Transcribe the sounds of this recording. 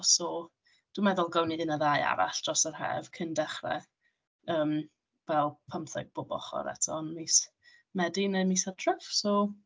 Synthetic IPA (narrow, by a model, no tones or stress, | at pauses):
ɔsɔ | d̥umɛðʊlˠɡəwniɪnəðaja̰ɾa̰ɬd̥rɔsərhɛ̰v̥kʰəndɛχrɛ̰ | əːm | vɛlˠpʰəmθɛ̰ɡ̚b̥ʊbɔ̰χɔ̰ɾɛ̰tʰɔnmis | mɛdinəmisatʰrəfsɔ